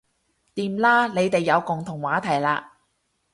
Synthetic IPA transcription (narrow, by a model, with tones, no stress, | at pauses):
t̪iː˨mlaː˥le˨˧jt̪e˨jːɐ˨˧wkʊ˨ŋt̪ʰʊ˨˩ŋwaː˨˥t̪ʰɐ˨˩jlaː˧